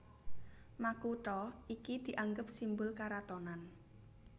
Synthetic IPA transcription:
makuʈɔʔikid̪̥i̤ʔaŋɡəp̚simbʊlkaɾat̪ɔnan

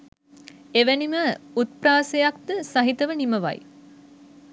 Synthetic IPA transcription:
eʋæniməut̪̚praːsejak̚d̪əsaɦit̪əʋəniməʋa̰j̰

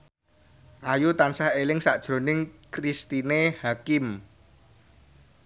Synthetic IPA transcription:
ʔajut̪ansahelɪŋsad̥ʒ̥ɾo̤nɪŋkɾist̪inehakɪm

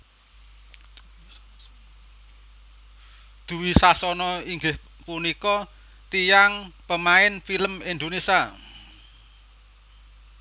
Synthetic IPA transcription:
d̪̥ṳwisasɔnɔiŋɡɪh | punikɔ | t̪ijaŋpəmaɪnfiləmind̪onisa

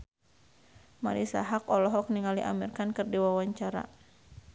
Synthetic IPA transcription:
ma̰ɾisa̰ɦakɔlɔɦɔk̚niŋaliʔa̰mirkankɨrdiwawaɲt͡ʃaɾa̰

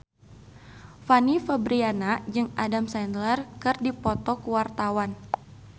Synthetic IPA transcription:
fanifəbɾianad͡ʒɨŋadamsɛndlərkɨrdipɔt̪ɔkuwart̪awan

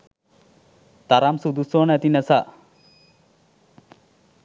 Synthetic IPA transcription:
t̪aɾamsud̪usoːnɛt̪inəsa

